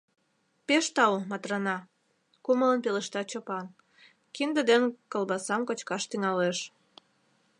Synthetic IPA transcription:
peʃt̪ɑumɑt̪rɑnɑ | kumələnpeleʃt̪ɑt͡ɕopɑn | kind̪əd̪enkəlbɑsɑmkot͡ɕkɑʃt̪yŋɑleʃ

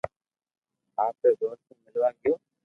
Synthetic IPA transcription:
aːpeːdoːsumɪlʋaːɡɪjoː

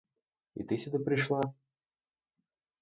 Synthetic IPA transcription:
ḭt̪ɨsʲud̪əpɾʲɪʂlˠa

